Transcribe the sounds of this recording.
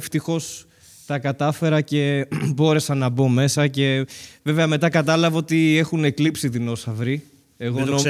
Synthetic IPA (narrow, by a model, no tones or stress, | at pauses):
ft̪ixo̞s | t̪ɐkɐt̪ɐfe̞ɾɐce̞bo̞ɾe̞sɐnɐbo̞me̞sɐce̞ve̞veɐme̞t̪ɐkɐt̪ɐlɐvɐo̞t̪ie̞xune̞klipsit̪ino̞sɐvɾi | eɣono